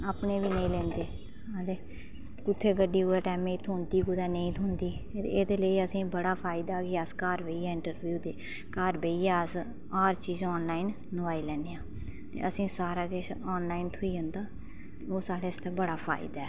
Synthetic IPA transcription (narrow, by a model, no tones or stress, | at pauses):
aːpɳeːʋiːnəĩːlɛ̃ːnd̪eː | əd̪eː | kʊt̪ʰːeːɡəɖːiːuːɛːʈɛːmẽit̪ʰoːnd̪iːɡʊd̪ɛːnə̃ĩːt̪ʰʊ̃ːnd̪iːed̪eːləiːəsĩːbəɽaːpʰaːɪd̪aːkɪəskaːɾbeːiːɛːɪ̃ɳʈəɾbjuːd̪eː | kaːɾbeːiːɛːəs | aːɾt͡ʃiːzɔːnlaːinːəʋaːiːlɛːneːãː | t̪ḛːəsĩːsaːɾaːkɪʃɔːnlaːint̪ʰʊiːõnd̪aː | t̪eoːsaːɽeːst̪eːbəɽaːpʰa̰ːɪ̰d̪aɛː